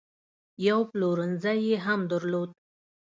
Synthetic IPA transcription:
jawploɾənzajeɦamd̪əɾlod̪̚

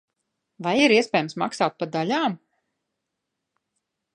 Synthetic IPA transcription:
vajiɾiɛspʲɛːjəmsmaksaːt̪̚pad̪alʲaːm

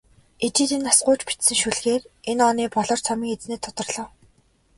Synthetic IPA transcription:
et͡ɕiːt̪inasɢʊːt͡ɕpi̥t̪sɘ̆ŋʃuɮɣeːrenɔniːpɔɮɞ̆r̥t͡sʰamiːŋet͡sneːt̪ʰːɔt̪ɞ̆rɮɞ̆w

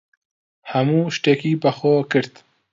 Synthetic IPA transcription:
hɐmuːʃt̪eːkiːbɐxoːkɨɾt̪

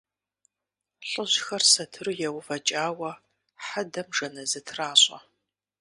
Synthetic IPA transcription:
ɬʼəʑxɐrsɐtʰɨrɨjɛwvɐt͡ʃʼaːwɐ | ħadɐmʐɐnɐzɨtʰraːɕʼɐ̰

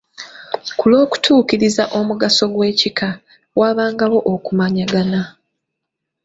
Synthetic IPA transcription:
kulo̞ːku̥tʰuːkiɾizaʔo̞muɡaso̞ɡwe̞ːcikʰa | waːβaːŋɡawo̞ʔokumaɲaɡana

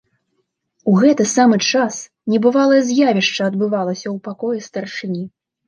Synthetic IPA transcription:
uɣɛt̪ɨsamɨt͡ʂas | nʲɛbɨvalˠɐjzʲjavʲiʂt͡ʂɐɐd̪bɨvalˠɐsʲɐwpakɔjɛst̪ɐrʂɨnʲi

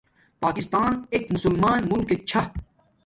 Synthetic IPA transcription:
paːkist̪aːneːkmʊsulmaːnmumkek̚t͡ɕʰɐ

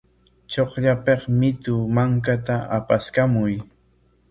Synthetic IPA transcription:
t͡ʃoχʎapeχmɪt̪ʊmaŋk̬at̪aʔa̰paskamʊj

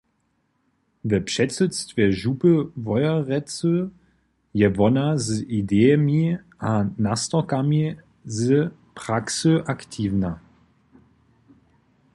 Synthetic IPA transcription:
vɛɐpʃɛt͡sət͡stvɛɐʒupəvɔʏɐʁɛt͡sə | jɛvɔnazəʔidemi | anastɔkami | zə | pʁ̥aksəʔaktʰiːvna

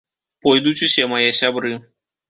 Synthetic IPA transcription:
pɔjd̪ut͡ʃɨsʲɐmajɛsʲabɾɨ

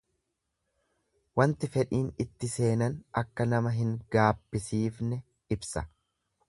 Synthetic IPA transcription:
wɐnt̪ɪfɛᶑiːnɪt̪ːɪse̞ːnɐnɐkːɐnɐmɐɦɪŋɡaːb̥ːɪsiːfnɛ | ɪbsɐ

